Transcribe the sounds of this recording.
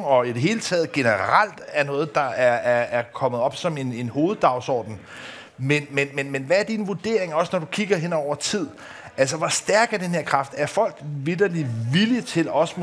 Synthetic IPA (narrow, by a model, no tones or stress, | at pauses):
ɒ̽id̥e̝ɦe̝ːlət͡sʰɛ̰ːð̩ˠɡ̥e̝nəʁal̰d̥æɐnɔ̽ːð̞̩ˠd̥ɑ̈æɐæɐæɐkʰɒ̽məð̞̩ˠɒ̽b̥sɒ̽me̝ne̝nho̝ːð̞̩ˠd̥ɑ̈ʊsɒ̰ːd̥n̩ | menmenmenmenʋææɐd̥inʋuɐd̥e̝ɐ̰e̝ŋɒ̽snɒd̥ukʰiɡ̥ɐɦenɒʊ̰ɐt͡sʰið̞̰ˠ | æl̰s̬əʋɒsd̥æɐɡ̥æd̥enhe̝ɐ̰kʰʁɑ̈fd̥æɐfɒ̽l̰ɡ̥ʋid̥ɐliʋilit͡sʰe̝lɒ̽sm